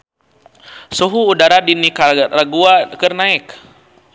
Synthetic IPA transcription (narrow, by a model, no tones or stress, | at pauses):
suɦuːdaɾadinikaraɡuakərnaɪk